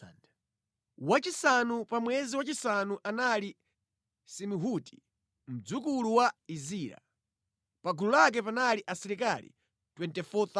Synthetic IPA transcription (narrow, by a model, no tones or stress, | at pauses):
wat͡ʃisanupamwɛziwat͡ʃisanuʔanali | simuɦuti̥ | m̩d͡zukuluwaiziːɾa̰ | paɡululak̬ɛpanaliʔasɛɾikalḭ | twɛntɛfɔt̪a